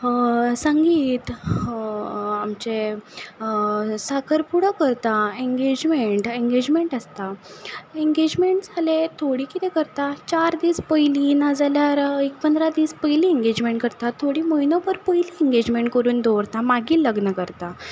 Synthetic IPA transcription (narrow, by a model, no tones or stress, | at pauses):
sãŋɡiːt̪ | amt͡ɕe | sakʰəɾpuɽəkəɾt̪aeŋɡed͡ʑmeɳʈẽŋɡed͡ʑmeɳʈəst̪a | eŋɡed͡ʑmeɳʈd͡zʱalet̪ʰoɽiːkit̪ɛkəɾt̪at͡ɕaɾd̪iːspəjliːnad͡zaljaɾek̚pənd̪ɾad̪iːspəjliːẽŋɡed͡ʑmeɳʈ̚kəɾt̪at̪ʰːoɽiːməjnɔpəɾpəjliːẽŋɡed͡ʑmeɳʈkəɾuːnd̪oʋɾt̪amaɡiːləɡnəkəɾt̪a